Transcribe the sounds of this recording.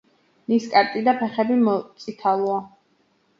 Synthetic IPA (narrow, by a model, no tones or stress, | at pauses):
niskʼaɾt̪ʼid̪apʰɛχɛbimɔt̪sʼit̪ʰalˠɔa